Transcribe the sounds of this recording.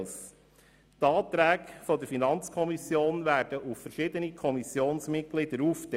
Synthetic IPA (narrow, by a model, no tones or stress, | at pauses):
s | t̪ɑːt̪ɾæːkfɔd̪əɾfinɑnt͡skʰɔmisjoːnʋæːɾd̥əʔuffəɾʃɪd̪ənikʰɔmisjoːnsmɪt̚ɡ̥lɪd̥̪əɾuːftɛ